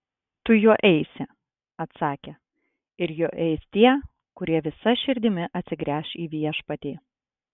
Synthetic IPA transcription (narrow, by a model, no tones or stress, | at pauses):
t̪ʊjuɔʔɛɪsʲɪ | ɐt̪sɑːkʲɛ | ɪɾjuːʔɛɪst̪ʲiɛ | kʊɾʲiɛʋʲɪsɐʃʲɪɾʲd̪ʲɪmʲɪʔɐt̪ʲsʲɪɡɾʲæːʃiːʋʲiɛʃpɐt̪ʲiː